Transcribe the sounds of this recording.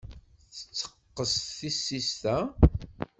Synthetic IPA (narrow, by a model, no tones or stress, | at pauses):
θə̥t͡sːə̥qːəsθθisːist̪æ